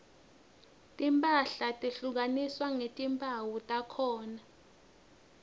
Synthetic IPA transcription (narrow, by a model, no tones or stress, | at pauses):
tʼimpʼaɬatʼiɬuk̬aniswaŋetʼimpʼawutʼakʰɔːna